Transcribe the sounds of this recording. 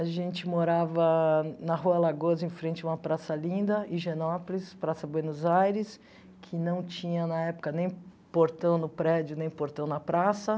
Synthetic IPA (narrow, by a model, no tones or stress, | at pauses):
aʒẽnt͡ʃɪmoɾavɐnɐɦuɐlaɡozẽj̃fɾẽnt͡ʃɪũmɐpɾasɐlĩnd̪ɐɪʒenɔpʊlispɾasɐbwenozajɾɪs | kʰɪnɐ̃w̃t͡ʃĩɲɐnɐɛpʊ̥kɐnẽj̃ | poɾt̪ɐ̃w̃nʊpɾɛd͡ʒʊnẽj̃poɾt̪ɐ̃w̃nɐpɾasɐ